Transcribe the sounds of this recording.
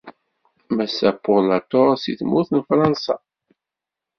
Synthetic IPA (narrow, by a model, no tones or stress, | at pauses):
mæsæpːolat̪ːoɾˤsḭθmʊθnfɾˤɑnsɑ